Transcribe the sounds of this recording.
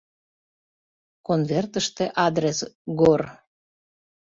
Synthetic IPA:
konvert̪əʃt̪eʔɑd̪ɾesɡor

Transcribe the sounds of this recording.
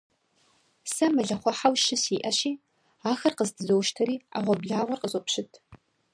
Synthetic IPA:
sɐmɐɮɐχʷɔħawʃɪsiːʔɐɕiː | aːxɐrqəzdʰɨzowʃtʰɐɾiːa̰ʁʷɔbɮaːʁʷɔrqʼəzʼɔpʃɪtʰ

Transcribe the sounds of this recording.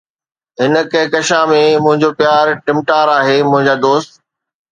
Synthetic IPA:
ɦɪnə̆kɐ̃ɦɪ̃kɐʃãmẽmʊ̃ɦɪ̃ɲd͡ʑopjaːɾʈɪ̃mʈaːɾaːɦeːmʊ̃ɦɪ̃ɲd͡ʑaːd̪oːst̪

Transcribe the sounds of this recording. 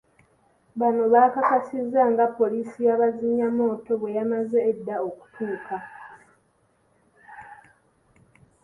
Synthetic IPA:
βano̞βaːkakasizːaŋɡapːo̞liːsijaβaziɲːamo̞ːto̞βwe̞jamazeːdːaoku̥tʰuːkʰa

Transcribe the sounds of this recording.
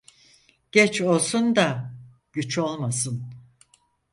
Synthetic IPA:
ɟ̥ɛt͡ʃo̞lˠsund̪a | ɟ̥yt͡ʃo̞lˠmasɯn

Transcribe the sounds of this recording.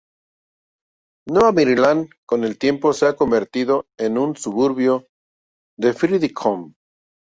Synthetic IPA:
noamiɾilaŋko̞ne̞lt̪je̞mposeako̞mbe̞ɾt̪iðo̞enunsuβuɾβjo | ðe̞fɾiðikʰom

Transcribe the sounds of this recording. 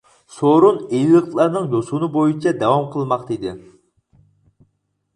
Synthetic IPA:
soɾunejlˠɨqlˠɑɾnɨŋjosunɨbojut͡ʃʰɛd̪ɛwɑmqʰəlˠmɑqt̪id̪ɪ̰

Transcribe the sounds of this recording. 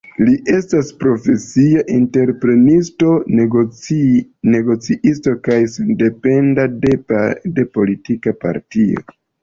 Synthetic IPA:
liʔe̞staspɾo̞fe̞siaʔinte̞ɾpɾe̞nisto̞ | ne̞ɡo̞t͡siʔisto̞kajsende̞pe̞ndaede̞po̞litikapa̰ɾtio̰

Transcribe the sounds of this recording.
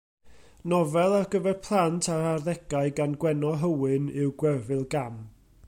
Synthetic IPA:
nɔvɛlˠarɡəvɛrpʰlˠantʰaɾarðɛɡaɨɡanɡwɛnɔɦəwɨnɪwɡwɛrvɨlˠɡam

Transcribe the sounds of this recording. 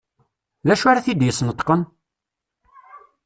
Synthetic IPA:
ðæʃaɾæθid̪jəsˤnət̪ːˤqən

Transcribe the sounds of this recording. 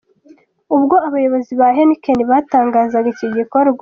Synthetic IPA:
ubɡo̞aβajo̞βo̞ziβaɦenikeniβataːŋɡaːzaɡaiciɟikoɾɡwa

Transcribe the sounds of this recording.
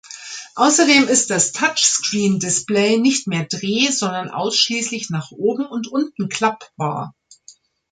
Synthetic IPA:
ʔaʊsɐdeːmɪst̚d̥astʰat͡ʃskʁ̥iːndɪsplɛɪnɪçtmeːɐdʁeːzɔndɐnʔa̰ʊsʃliːslɪçnaːχʔoːbm̩ʊntʔʊntn̩kʰl̥apb̥a̰ːɐ

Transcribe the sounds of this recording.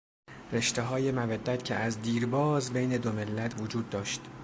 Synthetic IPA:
re̞ʃt̪eɦɒːje̞mævæd̪ːæt̪cʰeʔæzd̪iːɾbɒːzbejne̞d̪ome̞lːæt̪ʰvod͡ʒuːd̪ːɒːʃt̪

